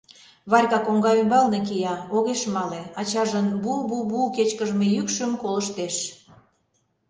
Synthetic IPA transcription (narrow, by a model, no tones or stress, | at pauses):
βɑrʲkɑkoŋɡɑymbɑlnek̬ijɑoɣeʃmɑleɑt͡ɕɑʒənbububuket͡ɕkəʒmejykʃəmkoləʃt̪eʃ